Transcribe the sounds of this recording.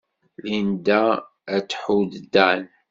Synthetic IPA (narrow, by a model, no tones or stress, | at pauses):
lind̪æ | æt͡sːħud̪d̪æn